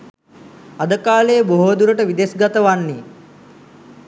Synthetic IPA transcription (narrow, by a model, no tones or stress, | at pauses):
ad̪əkaːlejəboɦoːd̪uɾəʈəʋid̪esɡat̪əʋanːi